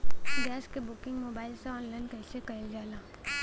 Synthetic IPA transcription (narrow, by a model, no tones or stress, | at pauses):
ɡɛːskebʊkɪ̃ŋɡmoːbaːɪlseɔːnlaːɪnkɐɪsekɐɪld͡ʒaːlaː